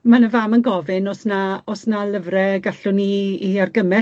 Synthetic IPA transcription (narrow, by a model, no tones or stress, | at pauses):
manəvamənɡɔvɪnɔsnaɔsnalˠəvrɛɡaɬʊniːarɡəmɛ